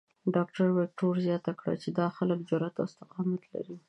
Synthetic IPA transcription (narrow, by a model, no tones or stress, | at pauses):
ɖɑkʈaɾwɪk̚ʈoɾzjɑt̪akɽa̰t͡ʃed̪ɑxaləkd͡ʒʊɾat̪aʊst̪ɪqɑmat̪la̰ɾi